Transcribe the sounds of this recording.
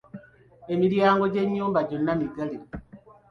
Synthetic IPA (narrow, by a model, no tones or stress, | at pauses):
emiɾjaːŋɡo̞ɟe̞ɲːuːmbaɟonːamiɡali